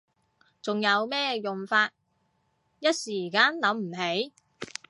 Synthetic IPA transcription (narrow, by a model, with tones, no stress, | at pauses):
t͡sʊ˨ŋjɐ˨˧wmɛː˥jʊ˨˩ŋfaː˧t̚ | jɐ˥t̚siː˨˩kaː˥nlɐ˨˥mm̩˨˩ɦe˨˥j